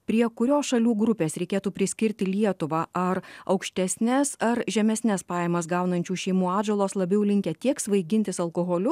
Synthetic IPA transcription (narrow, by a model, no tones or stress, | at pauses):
pʲɾʲiɛkʊɾʲoːsʃɐlʲuːɡɾʊpʲeːsɾʲɛɪkʲeːt̪uːpʲɾʲɪsʲkʲɪɾʲt̪ʲɪlʲiɛt̪ʊʋɑʔɐɾɐʊkʃʲt̪ʲɛsʲnʲɛsɐɾʒʲɛmʲɛsʲnʲɛspɑːjɛmɐsɡɑʊnɐnʲt͡ʃʲuːʃʲɛɪmuːɑːd͡ʒolˠoːslˠɐbʲɛʊlʲɪŋʲkʲɛt̪ʲiɛksʋɐɪɡʲɪnʲt̪ʲɪsɐlˠkoːɣoːlʲʊ